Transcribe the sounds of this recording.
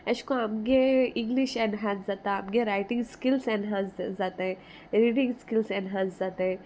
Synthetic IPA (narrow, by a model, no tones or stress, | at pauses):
ɛskoɦɐmɡeɪ̃ŋɡliʃɛ̃nɦãːszat̪aɐmɡeɾaːɪʈɪ̃ŋɡskɪlsɛ̃nɦãːszat̪eɦɛ̃ | ɾiːɖɪ̃ŋɡskɪlsɛ̃nɦãnszat̪eɦɛ̃